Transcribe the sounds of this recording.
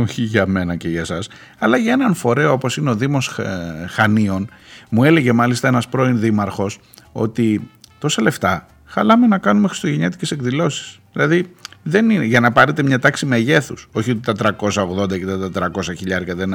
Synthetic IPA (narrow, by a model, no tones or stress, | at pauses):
oçiʝɐme̞nɐceʝɐsɐs | ɐlɐʝɐe̞nɐnfo̞ɾe̞oopo̞sine̞o̞ðimo̞sxɐnio̞nmue̞le̞ʝe̞mɐlist̪ɐe̞nɐspɾo̞inðimɐɾxo̞s | o̞̰t̪it̪o̞sɐle̞ft̪ɐ | xɐlɐme̞nɐkɐnumexɾi̥st̪oʝeɲet̪i̥ce̞se̞kðilo̞si̥sðilɐðiðe̞nineʝɐnɐpɐɾet̪e̞mɲɐt̪ɐksimeʝe̞θuso̞çiot̪et̪ɐt̪ɾɐko̞sɐo̞ɣðo̞nd̪ɐket̪ɐt̪ɐt̪ɾɐko̞sɐçiʎɐɾkɐðen